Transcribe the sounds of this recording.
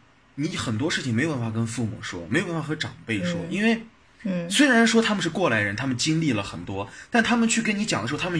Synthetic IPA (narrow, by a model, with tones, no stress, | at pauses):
ni˧˥xə˨˩nt̪̬wɔ˥ʂɻ̩˥˩t͡ɕʰi˩ŋe˧˥jo˨˩pa˥˩fa˥˧kə˥nfu˥˩mṵ˨˩ʂwɔ̰˥me˧˥jo˨˩pfa˥xɤ˧˥ʈ͡ʂɑ˨˩ŋpe˥˩ɪʂwɔ̰˥ʔi˥nwe˥˩ɪ | swe˥ɪɻa˧˥nʂwɔ˥t̪ʰa˥mə˨˧ʂ̬ɻ̩˥˧kwɔ˥˩la˨˧˥ɪəɻə˧˥nt̪ʰa˥mə˨nt͡ɕi˥ŋli˥˩lə˩xə˨˩nt̪wɔ˥t̪a˥˩nt̪ʰa˥mə˨nt͡ɕʰy˥˩kə˥ni˧˥t͡ɕɑ˨˩ŋd̪ə˧˥˧t̪ʰa˥mə˨